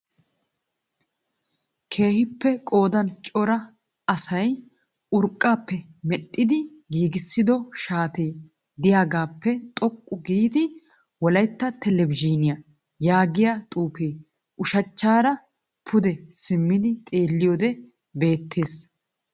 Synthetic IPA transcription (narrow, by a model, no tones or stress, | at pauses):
kʰe̞ːhɪpːɛkʼo̞ːd̪ɐnt͡ʃʼɔɾɐ | ɐsɐj | ʊɾkʼːaːpːɛ | mɛɗːɪd̪ɪ | ɡiːɡɪsːɪd̪ɔʃaːt̪eː | d̪ɪjaːɡaːpːɛt̪ʼɔkʼːʊɡiːd̪ɪ | wɔlɐjt̪ːɐt̪ɛlɛbɪd͡ʒiːnɪjɐ | jaːɡɪjat̪ʼuːpeː | ʔʊʃɐt͡ʃːaːɾɐ | pʰʊd̪ɛsɪmːɪd̪ɪt̪ʼe̞ːlːɪjod̪ɛ | be̞ːt̪ʰːe̞ːs